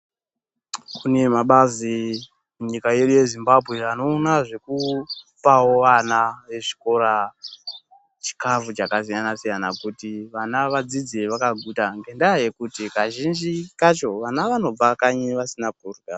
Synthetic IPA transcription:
kune̞maɓazi | muɲikaje̞ɗuje̞zimbabʱwe̞ano̞ːnaʐe̞ku | pawo̞ʋanaʋe̞ʐi̥ko̞ɾa | t͡ʃi̥kavut͡ʃakasijanasijanakutiʋanaʋad͡zid͡zeʋakaɡʱutaŋɡe̞ndaaje̞kutikaʒind͡ʒikat͡ʃo̞ʋanaʋano̞b͡vakaɲiʋasinak̚urɡa

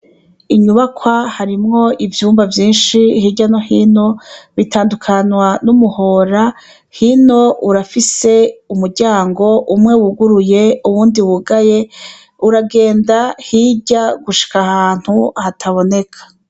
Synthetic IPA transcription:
iɲuβakʰwahaɾimŋo̞ivjuːmbavjiːnʃihiɟanohino̞βitaːndukʰanwanumuho̞ːɾa | hino̞ʔuɾafise̞umuɾɟaːŋɡo̞ʔumŋe̞wuɡuɾuje̞uβuːndiwuɡaje̞ | uɾaɡe̞ːndahiɟaɡuʃi̥kahaːn̥huhatʰaβo̞ne̞kʰḁ

